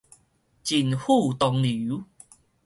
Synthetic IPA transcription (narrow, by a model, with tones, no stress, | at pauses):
t͡ɕi˨˧nhu˥˨t̪ɔ˧ŋli˨˦